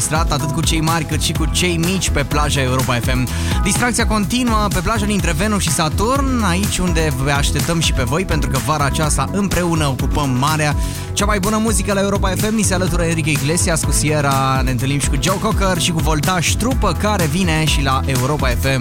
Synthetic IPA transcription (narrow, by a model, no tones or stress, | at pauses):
st̪ɾat̪at̪ɨt̪̚kut͡ʃe̞jmarʲkɨt̪ʃikut͡ʃe̞jmit͡ʃʲpe̞plaʒae̞uɾo̞pae̞fe̞m | d̪ist̪ɾakt̪siako̞nt̪inuəpe̞plaʒad̪int̪ɾe̞ve̞nuʃisat̪urnait͡ʃʲund̪e̞vəaʃt̪e̞p̚t̪əmʃipe̞vo̞jpe̞nt̪ɾukəvaɾaːt͡ʃast̪aʔɨmpɾe̞unəokupəmːaɾea | t͡ʃamajbunəmuzikəlae̞uɾo̞pae̞fe̞mnise̞alət̪uɾəeɾik̬ʲeiɡle̞siaskusieɾane̞ɨnt̪ɨlnimʃi̥kud͡ʒowko̞kərʃikuvo̞lt̪aʃt̪ɾupəkaɾe̞vine̞ʃilaʔe̞uɾo̞pae̞fe̞m